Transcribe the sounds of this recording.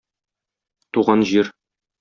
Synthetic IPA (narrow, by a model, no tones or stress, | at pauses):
t̪uʁɑnʑiɾ